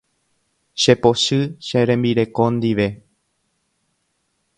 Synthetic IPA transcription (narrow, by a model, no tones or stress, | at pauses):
ʃe̞po̞ʃɨʃeɾẽ̞mbiɾe̞kõ̞nd̪iʋe̞